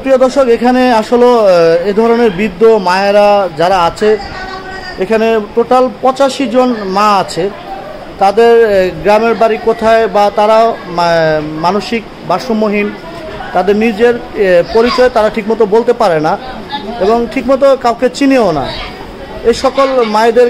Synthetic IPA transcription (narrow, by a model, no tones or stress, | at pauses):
pɾiod̪ɔʃokekʰaneaʃoloed̪ʱɔɾoneɾbid̪ːomaeɾad͡ʑaɾaat͡ɕʰe | ekʰaneʈoʈalpɔt͡ɕaʃid͡ʑonmaat͡ɕʰe | t̪ad̪eɾɡɾameɾbaɾikot̪ʰaebat̪aɾao | manoʃik̚ | baʃomoɦin | t̪ad̪eɾnid͡ʑeɾpoɾit͡ɕɔet̪aɾaʈʰikmɔt̪obolt̪epaɾena | eboŋʈʰikmɔt̪̬okawket͡ɕineona̰ | eʃɔkolmaed̪eɾ